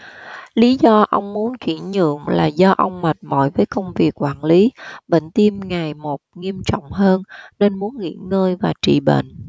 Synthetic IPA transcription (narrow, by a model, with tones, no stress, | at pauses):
li˨˦zɔ˧ʔə˧wŋ͡mmu˨˦nt͡ɕwḭ˧˩əɲɨ̰˧˨əŋla̰ː˨˩zɔ˧ʔə˧wŋ͡mma˨˩t̚mɔ̰˧˩jvəː˨˦jkə˧wŋ͡mvi˨˩ək̚kwaː˧˩nli˨˦ɓḛ˧˨ŋ̟t̪i˧mŋa˨˩jmo˨˩t̚ŋi˧əmt͡ɕɔ̰˧˨wŋ͡mɦəː˧nne˧nmu˨˦ənŋḭ˧˥əŋəː˧jvaː˨˩t͡ɕḭ˧˨ɓḛ˧˨nʔ